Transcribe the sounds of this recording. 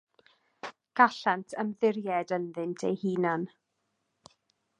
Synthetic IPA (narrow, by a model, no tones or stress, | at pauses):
ɡ̥aɬantʰəmðɪrjɛdənðɪntʰḛjhiːnan